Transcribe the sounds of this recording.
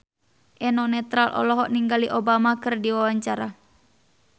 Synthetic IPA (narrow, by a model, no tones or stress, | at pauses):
ʔɛnɔnɛt̪ɾalʔɔ̰lɔɦɔʔniŋɡaliʔobamakɨrdiwawaɲt͡ʃaɾa